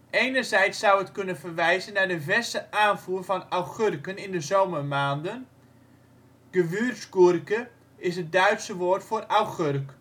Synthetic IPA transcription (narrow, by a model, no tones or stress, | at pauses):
ejnərzɛjtsːawətkønənfərʋɛjzənadəvɛstəʔaːnfuːrfɔnawχørkənɪndəzoːmərmaːndən | ɡ̥əʋyːrsɡurkə | ɪsɦət̚dœɥtsəʋoːrtfoːrawχørk